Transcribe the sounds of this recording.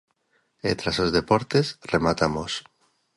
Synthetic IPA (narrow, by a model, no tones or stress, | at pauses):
ḛt̪ɾasozðepoɾt̪esremat̪amos